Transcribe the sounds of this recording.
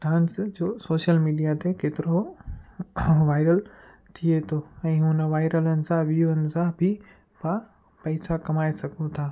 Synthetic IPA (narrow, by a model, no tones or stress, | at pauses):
ʈãːnsd͡ʑoːsoːʃəlmiːɖijat̪ekeːt̪ɪɾo | ʋaːɪɾəl | t̪ʰiet̪ʰoːɛ̃ːɦʊnə̆ʋaːɪɾələnɪ̆sãʋiuənɪ̆sãbʱɪ | pa | pɐɪsakɐmaːesɐɡʱũt̪ʰaː